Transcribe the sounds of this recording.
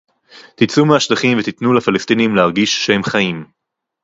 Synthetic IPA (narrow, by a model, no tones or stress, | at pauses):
t̪it͡sumeaʃlaχimvet̪it̪nulafalest̪inimleɦaʁɡiʃːehe̞mχajim